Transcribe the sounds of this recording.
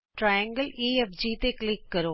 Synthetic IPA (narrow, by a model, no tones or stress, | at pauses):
ʈɾaːjɐ̃ŋɡəliːefd͡ʑiːt̪eklɪkːɐɾoː